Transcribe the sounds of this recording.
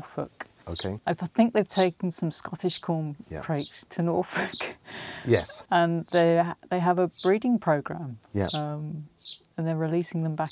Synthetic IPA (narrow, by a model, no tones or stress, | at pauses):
fʊ̰k | o̰ʊkʰeɪaɪfaɪθɪ̃ŋk̚ðeɪv̥tʰeɪkə̃n̩sʌ̃mskɒtɪʃkʰɔːmj̰ʰɹ̥eɪkstʰənɔˑɹfʊkjɛ̰sə̃nðeɪðeɪəvəb̥ɹiːdɪ̃ŋpʰɹ̥əʊɡɹãmjɛ̰ʌ̃m | ə̃nðəɹɪliˑsɪ̃ŋðə̃mba